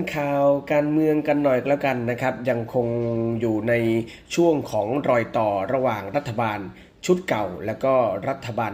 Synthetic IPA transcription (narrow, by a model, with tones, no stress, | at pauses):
nkʰaː˨˩wkaː˧nmɯ˧əŋka˧nːɔ˨˩jklɛː˦˥wka˧nːa˦˥kʰɾa˦˥p̚ja˧ŋkʰo˧ŋjuː˨˩na˧j | t͡ɕʰu˥˩əŋkʰɔː˩˦ŋɾɔː˨˩jt̪ɔː˨˩ɾa˧waː˨˩ŋɾa˦˥t̪ʰːa˧baː˧n | t͡ɕʰu˦˥t̪̚ka˨˩wlɛː˦˥wkɔː˥˩ɾa˦˥t̪ʰːa˧baː˧n